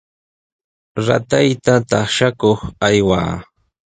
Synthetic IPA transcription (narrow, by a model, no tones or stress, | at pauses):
ɾa̰t̪ajt̪at̪ɑχʃakoχajwa̰ː